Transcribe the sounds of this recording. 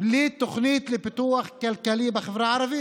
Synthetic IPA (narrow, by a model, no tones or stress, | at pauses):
liːt̪ːʊxniːt̪lɪpɪt̪uːaxkalkæliːbaxɪfɾaʕɑɾˤɑbi